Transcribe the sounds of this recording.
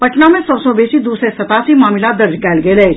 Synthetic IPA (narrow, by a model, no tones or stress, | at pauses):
pɐʈnamẽsɔːsɔbeːsid̪uːsɾesɐt̪aːsimaːmɪlad̪ɐɾd͡ʒkaːlɡeːleː